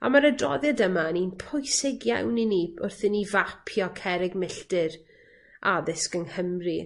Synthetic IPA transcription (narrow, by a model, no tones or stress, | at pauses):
a̰maɾədrɔ̰ðjadəmaninpʰʊjsɪɡja̰wniniʊrθɪnivapʰjɔkʰɛɾɪɡmɪɬtɪɾ | ʔaðɪskənhəmri